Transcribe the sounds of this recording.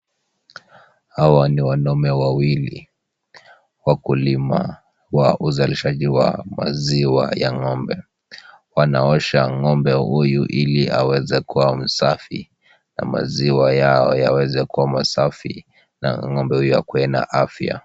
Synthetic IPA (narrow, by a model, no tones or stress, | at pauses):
hawaniwanɔmɛwawili | wakulima | waʔuzaliʃaʄiwa̰ma̰ziwa̰jaŋɔmbɛ | wanaɔʃaŋɔmbɛhujuʔiliawɛzɛkuwam̩safḭ | na̰ma̰ziwajaɔjawɛzɛkuwamasafḭ | na̰ŋɔmbɛhujuja̰kuɛna̰ʔafja̰